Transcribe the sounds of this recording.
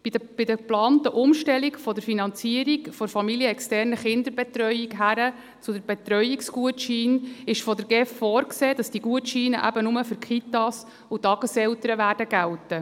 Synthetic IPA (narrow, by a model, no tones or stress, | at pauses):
əb̥ɪd̥əplɑːntəʔʊmʃtɛlikfɔd̪əɾfinɑnt͡siəɾikfɔɾfɑmiliəɛkstɛrnəχɪnd̪əɾbɛt̪ɾœʏikɦæɾə | t͡sʊdəɾbɛt̪ɾœʏiksɡuətʃiːnɪʃfɔdəɾɡɛffɔːrkseːd̥ɑsd̥iɡuətʃiːnə̰ʔæ̰bənʊməfʏɾkʰit̪ɑs | utɑɡ̥əsɛltəɾəʋæːɾd̥əɡæltə